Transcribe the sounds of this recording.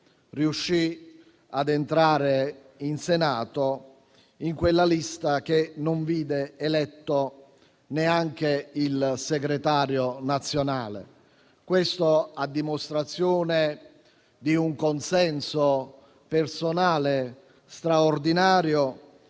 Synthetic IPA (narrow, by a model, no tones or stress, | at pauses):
riuʃːi | ad̪ent̪ɾaːɾe | insenaːt̪o | iŋkwelːalist̪ak̟enoɱviːd̪eːlɛt̪ːo | neaŋk̟eilseɡɾet̪aːɾjonat̪sːjonaːlḛ | kwest̪oad̪ːimost̪ɾat̪sːjoːne | d̪iuŋkonsɛnso | personaːle | st̪ɾaord̪inaːɾjo